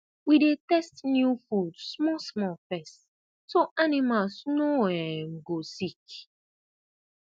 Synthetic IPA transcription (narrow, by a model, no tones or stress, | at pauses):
widetɛstnjufudsmɔsmɔlfɛst | soʔanimalsnoɛm̩ɡosik